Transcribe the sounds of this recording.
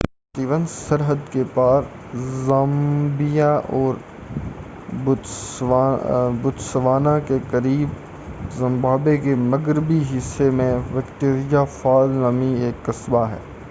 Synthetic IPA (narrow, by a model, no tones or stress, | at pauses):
pəst̪iːʋənsɐɾɦəd̪kepaːɾ | zambijaʔɔːɾ | bʊ | bʊd̪sʋaːnakekɐɾiːb | zɪ̃mbaːbekemɐɡɾɪbiɦɪsːemẽʋɐkt̪eːɾɪjafaːlnamieːkːɐsbaɦɛ̰ː